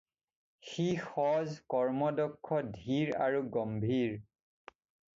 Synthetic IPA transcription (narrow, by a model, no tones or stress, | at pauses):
xixɔzkɔɹmɔdɔkʰːɔdʱiɹa̰ɹuɡɔmbʱiɹ